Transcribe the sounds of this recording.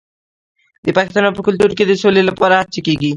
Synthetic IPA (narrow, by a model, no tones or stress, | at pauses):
d̪ipakist̪anɔpɾokʰult̪uɾked̪isolilepɔɾaat͡ɕʰikiɡi